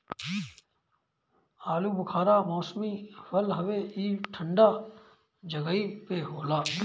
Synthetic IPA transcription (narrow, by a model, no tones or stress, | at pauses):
aːluːbəkʰaːɾaːmɔːsmiːfəlɦəʋeːiːʈʰəɳɖaː | d͡ʒəɡəiːpeɦoːlaː